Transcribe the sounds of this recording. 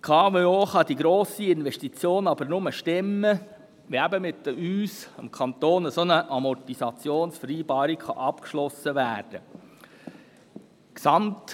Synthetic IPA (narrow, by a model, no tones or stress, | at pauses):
kʰɑːveoːχɑd̪iɡɾoːsiɪnʋɛʃtit͡sjoːnɑbəɾnʊməʃtɪmːə | ʋiæbəmɪt̪ːəmyːsəmkʰɑnt̪oːnəsonəʔɑmɔtisɑt͡sjoːnsfəɾiːbɑːɾikχɑ̰ʔɑpkʃlɔsəʋæːɾd̥ə | ksɑmt